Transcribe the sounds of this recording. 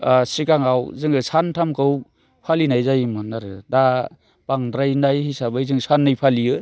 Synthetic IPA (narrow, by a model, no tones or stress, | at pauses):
sikaŋawzɯŋɯsʰantʰamkʰɯw | pʰalinajzajɯmanaɾɯda | baŋdɾajnajhisabɯjzɯŋsanːɯjpʰaliɯ